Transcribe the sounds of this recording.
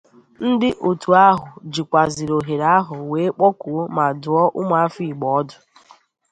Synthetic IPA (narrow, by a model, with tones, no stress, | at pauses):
n̩˦dɪ˦ʔo˨tu˨a˦ɦʊ˨d͡ʒi˨kʷa˨zi˨ɾo˨ɦe˨ɾa˦ɦʊ˨we˨˦k͡pɔ˦kʊ˨˦ma˨dʊ˨ɔ˦ʔʊ˦mʷa˨a˦fi˦˨ɡ͡bɔ˨ɔ˦dʊ˨